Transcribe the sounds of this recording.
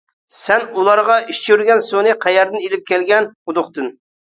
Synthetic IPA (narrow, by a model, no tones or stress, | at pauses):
sɛnulˠɑɾʁɑiʃt͡ʃʰyɾɡʲɛnsonɨqʰæjɛɾd̪ɨnelɪp̚kʲɛlɡʲɛnud̪ʊχt̪ɨn